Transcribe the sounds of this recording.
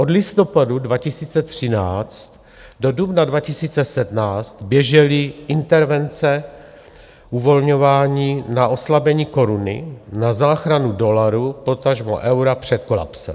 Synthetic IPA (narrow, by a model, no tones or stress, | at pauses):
ʔo̞dlɪst̪o̞padudvacɪsiːt͡sɛt̪r̥ɪnaːt͡st̪ | do̞dubnadvacɪsiːt͡sɛsɛdnaːt͡st̪bjɛʒɛlɪʔɪnt̪ɛɾvɛnt͡sɛ | ʔuvo̞lɲo̞vaːɲiːnaʔo̞slabɛɲiːko̞ɾunɪ̰nazaːxɾanudo̞laɾupo̞t̪aʒmo̰ʔɛwɾapr̝̥ɛt̪̚ko̞la̰psɛ̰m